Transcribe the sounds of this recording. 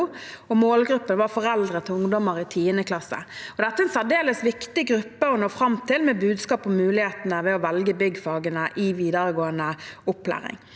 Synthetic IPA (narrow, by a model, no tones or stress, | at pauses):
ɔmoːlɡɾʉpːənʋɑfɔʁɛld̪ʁət̪ʰɪlʊŋd̪ɔməʁɪt̪ʰiːənəkʰlɑsːə̰ɔd̪ɛt̪ːəɛnsæʁd̪eːləsʋɪkt̪ɪɡʁʉpːəɔnoːfɾɑmt̪ʰɪlmɛbʉːd̪skɑːpɔmːʉːlɪheːt̪nəʋɛɔʋɛlɡəbʏɡːfɑːɡənəʔɪʋiːd̪əɾəɡoːənəʊpːlæ̰ːʁɪ̰ŋ